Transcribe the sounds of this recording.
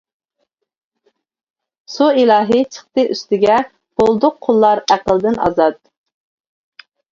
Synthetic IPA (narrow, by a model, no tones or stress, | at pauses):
suilˠɑːɦɨt͡ʃʰəχt̪ɨʔyst̪ɪɡʲɛ | b̥olˠd̪ʊqʰːolˠːɑɾæqəlˠd̪ɪnɑ̰zɑt̪̚